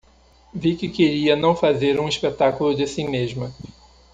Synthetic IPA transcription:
vikɪkeɾiɐnɐ̃w̃fazeɾũiʃpet̪akulʊd͡ʒɪsimeʒmɐ

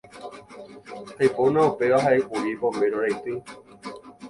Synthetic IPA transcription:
hajponãupeaɦaeʔuɾipõmeɾoɾajt̪ɨ

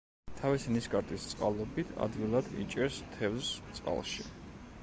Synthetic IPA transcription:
t̪ʰavisiniskʼaɾt̪ʼist̪sʼqʼa̰lˠɔbit̪ʰa̰d̪ɡilˠad̪̥ḭt͡ʃʼɛst̪ʰɛvst̪sʼqʼa̰lˠʃi

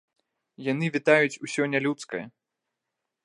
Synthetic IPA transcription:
janɨvʲit̪ajut͡sʲusʲɔnʲalʲut̪skɐjɐ

